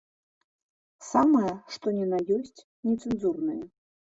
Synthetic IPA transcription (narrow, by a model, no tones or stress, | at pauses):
samɐjɐʂt̪ɔnʲɛnajɔsʲt͡sʲ | nʲɛt̪sɨnzurnɨjɐ